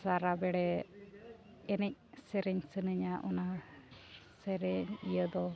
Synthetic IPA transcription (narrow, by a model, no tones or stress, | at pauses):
saɾabɛɽɛ | ɛnɛc̚sɛɾɛɲsənəɲaʔɔna | sɛɾɛɲijəd̪ɔ